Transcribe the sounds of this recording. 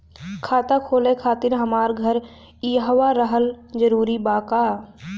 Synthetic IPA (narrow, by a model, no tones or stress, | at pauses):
kʰaːt̪akʰoːlekʰaːt̪ɪɾɦɐmaːɾɡʱəɾ | iɦʋaɾəɦəld͡ʒəɾuːɾibaːkaː